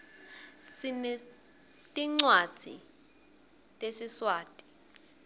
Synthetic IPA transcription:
sinɛ | tʼiŋ͡ǀwḁd͡z̥ʱḭ | tʼesiswaːtʼi̥

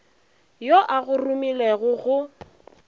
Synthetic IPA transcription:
joʔaɣʊrʊmileɣʊɣʊ

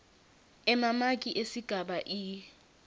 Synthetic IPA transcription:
ɛmamakʼiʔesiɡ̥ʱaɓaʔi

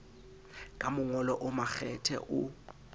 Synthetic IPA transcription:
kʼamʊŋɔlɔʔʊmak͡xɛtʰɛ̰ʔʊ

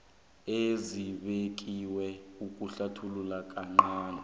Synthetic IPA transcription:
eziɓek̬ʼiwɛukʼuɬatʰululakʼaŋ͡ǃaːnɛ

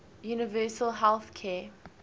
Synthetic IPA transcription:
juːnɪvɜːˑsəlˠɦɛlˠθkʰɛ

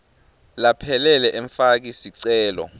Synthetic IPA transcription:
lapʰɛlɛlɛʔɛɱfak̬isiǀɛːlɔ̰

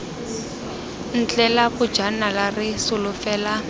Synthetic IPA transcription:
n̩t͡ɬʼɛlabʊ̥d͡ʒanalarɪsʊlʊfɛːla

